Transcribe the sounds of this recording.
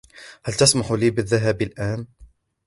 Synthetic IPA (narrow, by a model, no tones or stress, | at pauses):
halt̪asmaħliːbɪðːaɦaːbɪlʔaːn